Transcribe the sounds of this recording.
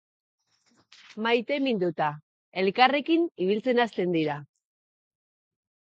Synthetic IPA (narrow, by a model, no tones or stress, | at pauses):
majt̪e̞mind̪ut̪a | e̞lkare̞kiniβ̞ilt͡se̞nast̪e̞nd̪iɾa